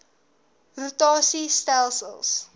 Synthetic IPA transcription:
rutɑːsistalˠsə̰lˠs

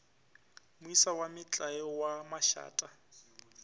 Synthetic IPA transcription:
mʊisawamɪt͡ɬʼajɔwamaʃa̰ːtʼa

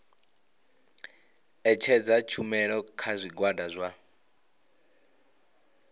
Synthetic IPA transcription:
ɛt͡ʃʰɛd͡zat͡ʃʰumɛɺɔkʰazʷiɡwadazʷwa

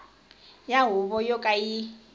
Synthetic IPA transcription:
jaɦʊβɔjɔkʼai

